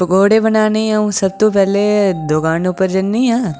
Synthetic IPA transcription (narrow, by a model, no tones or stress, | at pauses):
pəkoːɽeːbənaːneɦɛ̃ũsəb̚t̪õːp̬ɛːled̪ʊɡaːnʊpəɾd͡ʒənːiːɦɛ̃ː